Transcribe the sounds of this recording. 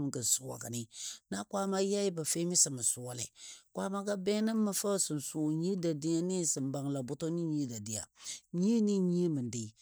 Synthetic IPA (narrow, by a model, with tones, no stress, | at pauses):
m˨kə˨su˨wa̰˨ka̰˨nɪ˨na˦kʷa˦ma˦ja˦i˦ba˨fe˦mi˦sə˨mə˨su˨wa˦lɛ̰˨kʷa˦ma˦ɡa˦bɛ˦nə˦mə˦fə˦sɨ˨n˨su˨ɲi˦da˨di˦ja˦ni˦sə˨mba˨ŋla˨bʊ˦to˦ni˦ɲi˦da˨di˨a̰˨ɲi˦ni˦ɲi˦e˦mə˨n˨di˨